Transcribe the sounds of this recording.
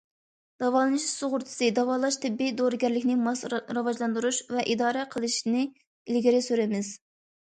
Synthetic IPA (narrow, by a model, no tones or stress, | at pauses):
d̪̥ɑvɑːlˠɨnɨʃsoʁʊɾt̪ʰɨ̥sɨd̪ɑvɑːlˠɑʃt̪ʰɪbːijd̪oɾɨɡʲɛɾlɪkʲnɪmɑsɾɑvɑʒlˠɑnd̪uɾuʃvɛʔid̪ɑːɾɛqʰəlˠɨʃnɨ | ilɡʲiɾɪsøɾɪmɪz̥